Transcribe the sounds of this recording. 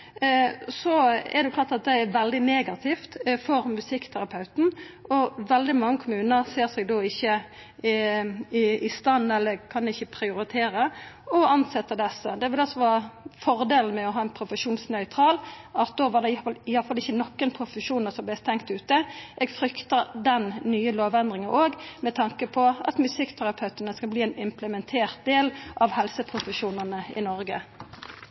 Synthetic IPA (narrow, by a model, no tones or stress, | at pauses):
sɔɛ̰d̪ɛjʊklɑːʁt̪ɑt̪̚d̪ɛɛɾʋɛld̪ɪneːɡɑt̪ʰɪft̪fɔɾmʉsɪkːt̪ʰæɾɑpʰɑʉt̪n̩ɔʋɛld̪ɪmɑŋːəkʰʊmʉːnəɾseːɾsɛɡ̚d̪oːɪçːə | ɪɪst̪ɑnːɛlːəɾkʰɑnɪçːəpʰɾɪʊɾɪt̪ʰeːɾəɔɑnsɛt̪ːəd̪ɛsəd̪ɛʋɪlɑlsɔʋɑːfɔʁd̪eːlən̩mɛɔɦɑːɛnpʰɾʊfəʂuːnsnœʏt̪ʰʁɑːlɑt̪̚d̪oːʋɑd̪ɛlɪjɑfɑlɪçːənɔkːənpʰʁʊfəʂuːnəsɔmblɛst̪ɛŋkt̪ʉːt̪əʔeːɡfɾʏkt̪əd̪ɛnnyːəloːʋɛnd̪ʁɪŋəʔoːɡmɛt̪ʰɑŋkəpʰɔɑ̰t̪mʉsɪkːt̪ʰæʁɑpʰœʉt̪ənəskɑbliːɛnɪmpləmɛnt̪ʰeːʁt̪̚d̪eːlʔɑʋhɛlsəpʰɾʊfəʃuːnənəɪ̰nɔʁɡə̰